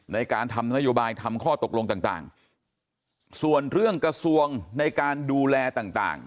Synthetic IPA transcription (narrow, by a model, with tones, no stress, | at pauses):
na˧jkaː˧nt̪ʰa˧mna˦˥joː˧baː˧jt̪ʰa˧mkʰɔː˥˩t̪o˨˩k̚lo˧ŋt̪aː˨˩ŋt̪a̰ː˨˩ŋ | su˨˩ənɾɯ˥˩əŋkɾa˧su˧əŋna˧jkaː˧nduː˧lɛː˧t̪aː˨˩ŋt̪a̰ː˨˩ŋ